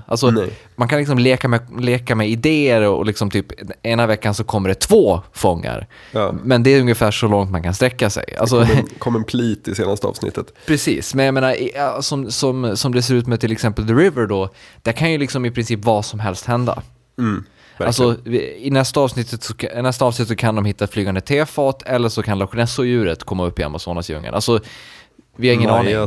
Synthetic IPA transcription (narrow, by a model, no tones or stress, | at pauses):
ʔa̰lsɔ | mankʰanlɪks̬ɔmleːkamɛleːkamɛɪd̪eːəɾɔ̰lɪksɔmt̪ʰyːpeːnavɛkːansɔkʰɔmːəɖɛt̪ʰvoːfɔŋːa̰ɾ | mɛnd̪ɛæɾɵŋjəfæːʂɔlɔŋt̪mankʰanst̪ɾɛkːasɛ̰ja̰lsɔkʰɔmːɛnpʰliːt̪ɪseːna̰st̪əɑ̰ːvsnɪ̰t̪ːət̪pʰɾɛsḭːsmɛnjameːnaɾʔɪsɔmsɔmsɔmd̪ɛs̬eːɾʉ̟ːt̪mɛt̪ʰɪlɛksɛmpəld̪əɾɪvəɾɖɔd̪̥æɾkʰanjɵlɪksɔmɪpʰɾɪnsiːpvɑːʂɔmɦɛlst̪hɛnd̪a̰ | alsɔɪnɛst̪aɑːvsnɪt̪ʰːət̪sɔnɛst̪aːsnɪt̪ːəsɔkʰand̪ɔmɦɪt̪ːat̪flyːɡand̪ət̪ʰeːfɑːt̪ʰɛlːəʂɔkʰanlaɧnɛsɔjʉ̟ːɾət̪kʰɔmːaɵpːɪa̰masoːnasjɵ̰ŋːə̰na̰lsɔ | vɪhaɪŋːənɑːnɪ